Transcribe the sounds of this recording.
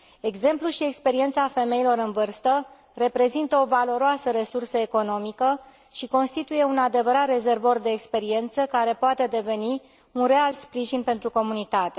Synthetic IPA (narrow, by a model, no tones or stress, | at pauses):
e̞ɡze̞mpluʃie̞kspe̞ɾie̞nt̪safe̞me̞ilo̞ɾɨnvɨrst̪ə | re̞pɾe̞zint̪əo̞valo̞ɾoasəɾe̞sursəeko̞no̞mikə | ʃiko̞nst̪it̪uje̞unad̪e̞vəɾat̪re̞ze̞rvo̞rd̪e̞ːkspe̞ɾie̞nt̪səkaɾe̞poat̪e̞d̪e̞ve̞ni | unre̞alt̪spɾiʒinpe̞nt̪ɾuko̞munit̪at̪e̞